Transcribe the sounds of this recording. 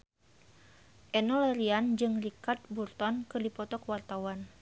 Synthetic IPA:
ʔɛnɔlaɾiand͡ʒɨŋlikat̪̚burt̪ɔnkɨrdipɔt̪ɔkəwart̪awan

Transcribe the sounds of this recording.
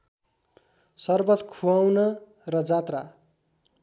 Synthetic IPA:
sʌrbʌt̪kʰuawnʌ | rʌd͡zat̪ra

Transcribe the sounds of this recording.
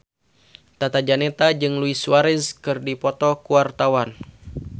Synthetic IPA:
t̪at̪ad͡ʒanɛt̪ad͡ʒɨŋluiswaɾɛskɨrdipɔt̪ɔkuart̪awan

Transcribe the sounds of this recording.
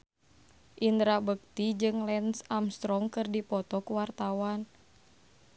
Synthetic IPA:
ʔind̪ɾabək̚t̪id͡ʒɨŋlɛnsamst̪ɾɔŋkɨrdipɔt̪ɔkuwart̪awan

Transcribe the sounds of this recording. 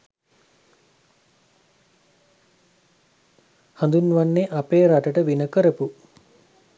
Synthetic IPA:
hãnd̪unʋanːeʔapeːɾaʈəʈəʋinəkəɾəpu

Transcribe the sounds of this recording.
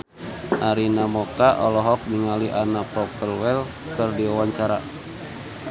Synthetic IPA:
ʔaɾinamɔkaʔɔlɔɦɔk̚niŋaliʔanapɔkəlwɛl | kɨrdiawaɲt͡ʃaɾa

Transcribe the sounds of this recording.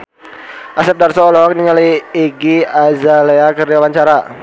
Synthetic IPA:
ʔasɛp̚darsɔːlɔɦɔk̚niŋaliiɡiazaleakərd͡ʒawaɲt͡ʃaɾa

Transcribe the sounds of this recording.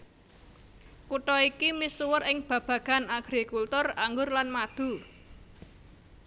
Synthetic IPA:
kuʈɔikimisuwərɪŋb̥ä̤b̥ä̤ɡ̥a̤naɡ̥ɾikult̪ʊraŋɡʊrlanmad̪̥ṳ

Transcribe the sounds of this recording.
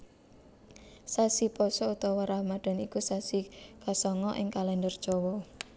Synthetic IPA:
sasipɔsɔut̪ɔwɔɾahmaɖ̥a̤nikusasikasɔŋɔʔɪŋkalɛndərd̥ʒ̥ɔwɔ

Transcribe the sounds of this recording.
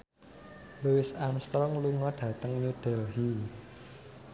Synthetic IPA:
luwɪsamst̪ɾɔŋluŋɔɖ̥ä̤t̪əŋɲuɖ̥ɛlɦi

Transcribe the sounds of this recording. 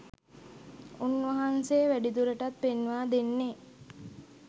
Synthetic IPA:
unʋɐɦanseːʋæɖid̪uɾeʈat̪̚penʋaːd̪enːe

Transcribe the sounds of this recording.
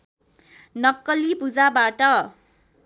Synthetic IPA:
nʌkːʌlipud͡zabaʈʌ

